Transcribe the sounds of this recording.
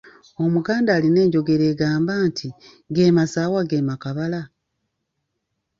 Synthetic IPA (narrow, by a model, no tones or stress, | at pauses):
o̞muɡaːndaːline̞ːɲɟo̞ɡe̞ɾe̞ːɡaːmbaːntʰi | ɡe̞ːmasaːwaɡeːmakaβala